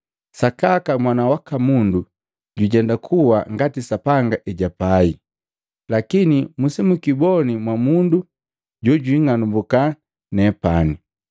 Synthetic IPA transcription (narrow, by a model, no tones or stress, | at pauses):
sakakamwanawakamundu | ɟuɟɛndakʰuwaŋɡatisapaŋɡaʔɛɟapai | lakinimusimukibɔnimwamundu | ɟɔɟwiŋanumbuka | nɛpani